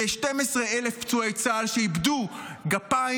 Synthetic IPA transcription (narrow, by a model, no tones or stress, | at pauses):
eʃtemesʁeele̞fpt͡suejt͡salʃeibduɡapa